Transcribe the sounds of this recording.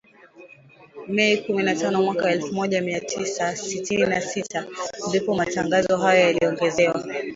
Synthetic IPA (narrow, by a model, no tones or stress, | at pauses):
mɛikuminatanɔmwakaɛlfumɔʄamiatʰisasitininasitʰandipɔmataŋɡazɔɦajɔjaliɔŋɡɛzɛwa